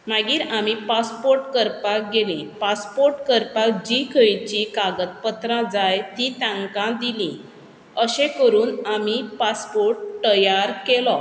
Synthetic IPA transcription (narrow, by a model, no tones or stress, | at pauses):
m̤aɡiːɾamipaspoɾʈkəɾpak̚ɡelĩpaspoɾʈkəɾpak̚d͡ʑikʰəjt͡ɕikaɡət̪̚pət̪ɾãd͡zajt̪it̪ãŋkãd̪ilĩ | əɕẽkəɾuːnamipaspoɾʈʈəjaɾkelɔ